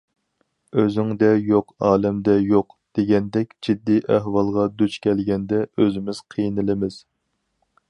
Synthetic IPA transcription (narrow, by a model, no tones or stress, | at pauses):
øzɪŋd̪ɛjoqɑːlɛmd̪ɛjoqd̪̥eɡʲɛnd̪ɛkʲd͡ʒid̪ːiʔæɦwɑlˠʁɑd̪yt͡ʃkʲʰɛlɡʲɛnd̪ɛøzɪmɪz̥qʰijnɨlɪmɪz̥